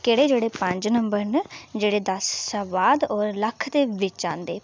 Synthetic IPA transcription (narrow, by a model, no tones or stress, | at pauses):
keɽeːd͡ʒeːɽeːpəɲd͡ʒnəmbəɾnd͡ʒeːɽeːd̪əsːəʋaːd̪ɔːɾləkʰd̪eːʋɪt͡ʃã̰ːnd̪eː